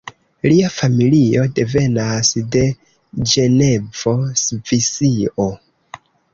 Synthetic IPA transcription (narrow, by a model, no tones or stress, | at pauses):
liafamilio̞de̞ve̞nasde̞ | d͡ʒe̞ne̞vo̞svisio